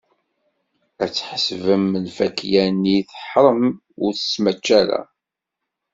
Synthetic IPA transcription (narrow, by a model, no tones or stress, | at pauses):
æt͡sːħsvəmːəlfækjæniθə̥ħɾˤəm | ʊɾθə̥smæt͡ʃːæɾæ̰